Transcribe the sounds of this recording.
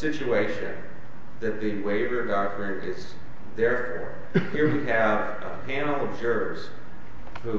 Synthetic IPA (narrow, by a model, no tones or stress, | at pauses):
sɪt͡ʃueɪʃɨ̰̃n | ðɨt̪̚ðɨweɪvəɡɑdfɹɨɾɪz | ðɛɹfɔ̰ɹ | hiɹwiɨv̥ | ə̰pʰæ̃nl̩ˠʌvd͡ʒɜ˞ | z̥ | hu